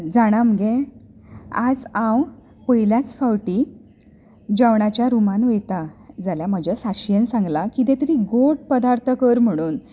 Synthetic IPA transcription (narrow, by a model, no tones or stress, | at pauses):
d͡zaɽ̃aməɡẽ | a̰d͡zãw | pəɦiljat͡sfawʈi | d͡ʑaʋɳat͡ɕjaɾumanʋet̪ad͡zaljaməd͡ʑasaɕjənsãŋɡlakit̪ẽt̪əɾiːɡoʈ̚pəd̪aɾt̪ʰəkəɾm̤əɽ̃uːn